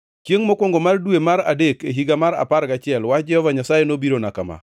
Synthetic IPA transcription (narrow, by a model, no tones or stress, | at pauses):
kjeŋmokwɔŋɡomardwemaɾa̰dekeɦiɡamaɾa̰paɾɡat͡ʃɪɛlwad͡ʒɛhɔvaɲasajenobiɾonakama̰